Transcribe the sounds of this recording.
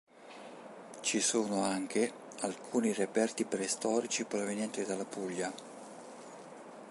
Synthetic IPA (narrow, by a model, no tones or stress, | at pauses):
t͡ʃisuːnoaŋk̟ʰe | alkʰuːnirepɛrt̪ipɾɛst̪ɔːɾit͡ʃipɾovenjɛnt̪id̪alapuʎːa